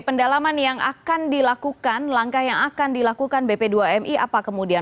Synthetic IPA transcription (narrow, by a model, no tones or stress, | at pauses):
pəndalamanjaŋʔa̰kandilakukanlaŋkahjaŋakandilakukanbepeduaɛmʔiapakəmudia